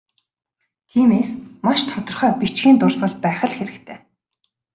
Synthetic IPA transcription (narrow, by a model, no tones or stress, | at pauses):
t̪ʰiːmeːsmaʃt̪ʰɔt̪ɞ̆rχœːpit͡ɕɡiːnt̪ʊrsə̆ɮt̪̚pæːχə̆ɮxeɾɘ̆kt̪ʰeː